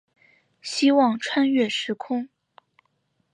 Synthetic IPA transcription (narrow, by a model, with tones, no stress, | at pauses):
ɕi˥wɑ˥˧ŋʈ͡ʂʰwa˥nɥɛ˥˩ʂɻ̩˧˥kʰʊ˥ŋ